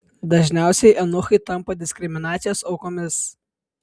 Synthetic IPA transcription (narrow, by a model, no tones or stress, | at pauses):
d̪ɐʒʲnʲæˑʊsʲɛɪʔɐnʊxɐɪt̪ɐmpɐd̪ʲɪsʲkʲɾʲɪmʲɪnɑːt̪sʲɪjoːsɒʊkoːmʲɪs